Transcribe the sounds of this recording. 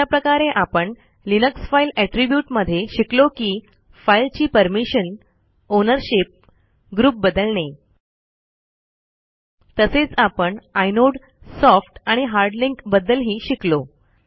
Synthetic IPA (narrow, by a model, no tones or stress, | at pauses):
apɾəkaɾeʔapəɳ | linəksfailæʈɾibjuʈməd̪ʱːjeɕiklokiː | failt͡ɕiːpəɾmiɕən | onəɾɕip̚ | ɡɾuːp̚bəd̪əlne | t̪əset͡sapəɳajnoɽ | sɔfʈaɽ̃iɦaɾɖliŋkbəd̪ːəlɦiːɕiklo